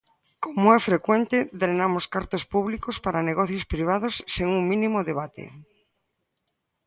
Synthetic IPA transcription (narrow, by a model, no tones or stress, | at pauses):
komoɛfɾekwɛnt̪ed̪ɾenamoskaɾt̪ospuβlikospaɾaneɣɔθjospɾiβ̞aðosːeŋuŋmĩnimoðeβ̞at̪ḛ